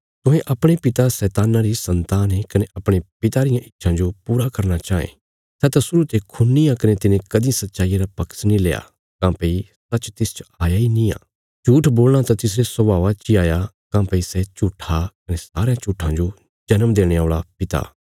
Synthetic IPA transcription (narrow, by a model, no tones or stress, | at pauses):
t̪ʊɦẽʔɐpɽ̃epɪt̪asɛːt̪aːnaɾisɐ̃nt̪aːnɦekɐneʔɐpɽ̃epɪt̪aɾɪjãʔɪtːʃʰãd͡ʒopuːɾakɐɾñat͡ʃaːḛ̃ | sɛt̪ãsʊɾut̪ekʰʊnːĩãkɐnet̪ɪnẽkɐd̪ĩsɐt̪ːʃaːijaɾapɐksnĩleːa̰ | kãːpɐisɐːt͡ʃːt̪ɪst͡ʃaːjainĩã̰ː | t͡ʃuːʈʰboːlɽ̃at̪ãt̪ɪs̬ɾesɔbaːʋat͡ʃiaːja | kãːpɐisɛt͡ʃuːʈʰːakɐnesaːɾeãt͡ʃuːʈʰãd͡ʒo | d͡ʒɐnəmd̪eːɽ̃eoːɭapɪt̪a̰ː